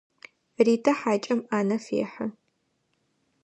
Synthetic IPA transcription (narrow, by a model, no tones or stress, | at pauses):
riːtʰɐħaːt͡ʃʼɐmaːnɐfḛːħə